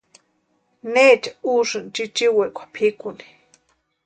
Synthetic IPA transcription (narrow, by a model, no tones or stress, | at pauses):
neːt͡ʃḁuʂɨnt͡ʃit͡ʃiwekʷʰḁpʰikuni̥